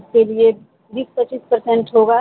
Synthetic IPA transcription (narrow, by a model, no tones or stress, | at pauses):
skelie | biːspət͡ʃːiːspɐɾsɛ̃ɳʈɦoːɡaː